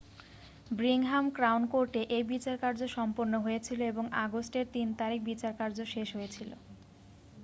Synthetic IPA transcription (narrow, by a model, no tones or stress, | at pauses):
bɾiŋɦamkɾawnkoɾʈeʔejbit͡ɕaɾkaɾd͡ʑoʃɔmponːoɦoet͡ɕʰiloeboŋʔa̰ɡosʈeɾt̪int̪aɾik̚bit͡ɕaɾkaɾd͡ʑoʃeʃɦojet͡ɕʰilo̰